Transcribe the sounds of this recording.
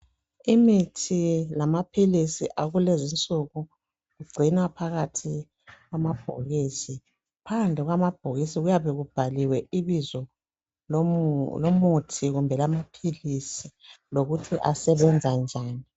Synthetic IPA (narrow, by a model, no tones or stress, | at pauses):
imitʰilamapʰilisiʔaɣulezint͡sʼuɣu | ɣuɡ͡ǀʱinwapʰaɣatʰi | ɣwamab̥ʱoɣiːsi | pʰand͡ɮʱɛɣwamab̥ʱoɣisiɣujaβɛɣub̥ʱaliwɛiβizɔ | lomutʰiɣumbʱɛlamapʰilisiloɣutʰiʔasɛβɛnd͡zʱand͡ʒʱaːni